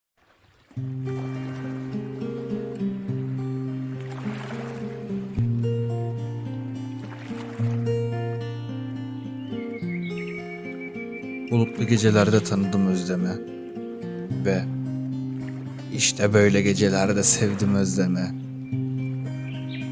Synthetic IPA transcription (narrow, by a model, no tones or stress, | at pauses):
ulˠuklˠuɟe̞d͡ʒelʲæɾd̪ɛt̪ʰanɯd̪ɯmøzlemɛ | vɛ | iʃt̪ʰɛbø̞jlʲɛɟe̞d͡ʒelʲæɾd̪ɛsɛvd̪imø̞zlemɛ